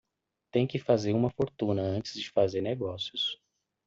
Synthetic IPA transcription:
t̪ẽj̃kɪfazeɾũmɐfoɾt̪ũnɐɐ̃nt͡ʃɪ̥zd͡ʒɪfazeɾneɡɔsiʊs

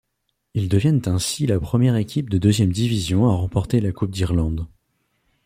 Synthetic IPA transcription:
ild̪əvjɛnt̪ɛ̃silapχəmjɛʁekʲʰip̚d̪əd̪øzjɛmd̪ivizjɔ̃aʁɑ̃pɔʁt̪elakup̚d̪iʁlɑ̃d̪

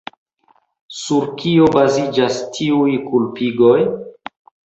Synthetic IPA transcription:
suɾkʰio̞bazid͡ʒastʰiujkulpiɡoj

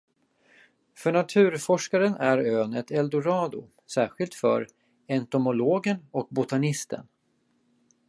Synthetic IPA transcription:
fœɳat̪ʰʉ̟ːɾfɔʂkaɾənʔæɾøːnət̪ʰɛld̪ʊɾɑːd̪ʊ̰ | sæːɾɧɪlt̪fœ̰ɾ | ɛnt̪ʊmʊloːɡənɔk̚bʊt̪anɪst̪ʰə̰n

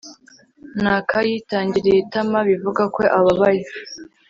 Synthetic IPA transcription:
nakʰajitaːɲɟiɾijetamaβivuɡakwo̞ʔaβaβaje

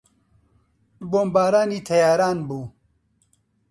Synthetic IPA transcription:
boːmbaːɾaːniːt̪ʰɐjaːɾaːnbuː

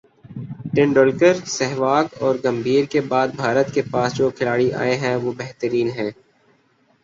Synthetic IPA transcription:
ʈɪ̃ɳɖoːlkəɾsɛɦʋaːɡɔːɾɡɐ̃mbʱiːɾkebaːd̪̚bʱaːɾət̪kepaːsd͡ʒokʰɪlaːɽiʔa̰ːeɦɛ̃ʋobɛɦt̪əɾiːnɦɛ̃ː

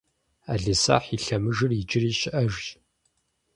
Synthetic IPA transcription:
aːɮɨsa̰ːħiɬɐmɨʒɨrɪd͡ʒɪriːɕɪʔɐʒʑ

